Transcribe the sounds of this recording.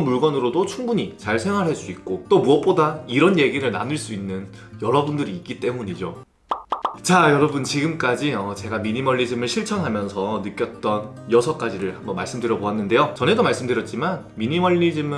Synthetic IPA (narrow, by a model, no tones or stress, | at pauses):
nmuɭɡʌnɯɾodot͡ɕʰuŋbuɲit͡ɕaɭsʰe̞ŋɦwaɾɦaɭs͈uik̚k͈ot͈omuʌt̚p͈odaiɾʌnje̞ɡiɾɯɭna̰nɯɭs͈uinːɯn | jʌɾʌbundɯɾiːk͈it͈e̞muɲid͡ʑo | t͡ɕajʌɾʌbunt͡ɕiɡɯmk͈ad͡ʑiʌt͡ɕe̞ɡamiɲimʌɭːid͡ʑɯmɯɭɕʰiɭt͡ɕʰʌnɦamjʌnsʰʌnɯk͈jʌt̚t͈ʌnjʌsʰʌk͈ad͡ʑiɾɯɭhambʌnmaɭs͈ɯmdɯɾjʌboanːɯnde̞jot͡ɕʌne̞domaɭs͈ɯmdɯɾjʌt̚t͡ɕ͈iman | miɲimʌʎːid͡ʑɯmɯ